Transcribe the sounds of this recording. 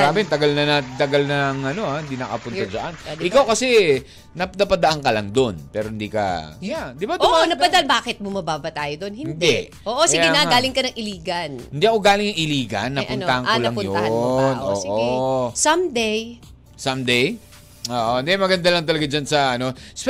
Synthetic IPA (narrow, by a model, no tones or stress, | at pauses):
ɡaːbɪnt̪ɐɡɐlnɐnat̪ɪnt̪ɐɡalnɐŋʔɐno̞ahɪnd̪inɐkɐpʊnɐsɐʔanɪkawkɐsɛ | nɐnɐpɐd̪ɐʔaŋkɐlɐŋd̪onpɛːɾohɪnd̪iːkɐ̰jad̪ɪbad̪ʊmonɐpɐd̪ɐʔanbaːkɛt̪̚bʊmɐbaːbɐt̪aːjod̪onhɪnɪnd̪ɛ | ʔoːʔosiɡɛnɐɡaːlɪŋkɐnɐŋʔɪliːɡɐnɪnd̪iʔɐko̞ɡaːlɪŋnɐŋʔɪliːɡɐ̰nːɐʔpʊnɐhɐŋkolɐŋʊj̪onʔo̰ːsʔoɡsɐmd̪ej | sɐmd̪ɛj | oːʔoɪnd̪ɛmɐɡɐnd̪alɐŋt̪ɐlɐɡad͡ʒansɐʔɐno̞s